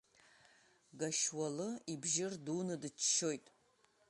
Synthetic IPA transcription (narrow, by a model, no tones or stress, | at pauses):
ɡaʃwalɨibʒɪrduːnɨdɨt͡ʃʰʃojtʼ